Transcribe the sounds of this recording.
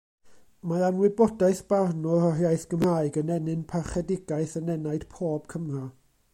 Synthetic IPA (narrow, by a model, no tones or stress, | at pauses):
maanwɪbɔdaɨθb̥arnɔrɔrjajθɡ̥əmraːɨɡənɛnɨnpʰaχɛdɪɡaɨθənɛnaɨd̥pʰoːb̥̚kʰəmra